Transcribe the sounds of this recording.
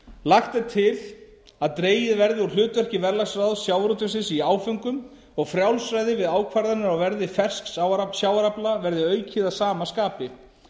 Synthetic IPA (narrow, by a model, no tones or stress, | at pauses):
laxt̪ɪt̪ʰɪl | aðt̪ɾeːjɪðvɛɾðɪɔlʏːt̪vɛr̥cɪvɛɾlasɾaðsjaːwɾut̪ʏsɪnsiaːwfʏŋkʏm | ɔɣfɾjawlsɾajðɪvɪðaːwkʰvaɾðanʏɾawvɛɾðɪfɛr̥sksawɾasjaːwaɾaplavɛɾðɪœːɥcʰɪðasaːmaskaːpɪ